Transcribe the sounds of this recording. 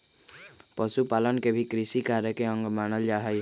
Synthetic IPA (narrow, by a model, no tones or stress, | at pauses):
pʌsupalʌnkebʱikɾisikaɾekeʌŋɡmanʌld͡ʒaɦʌj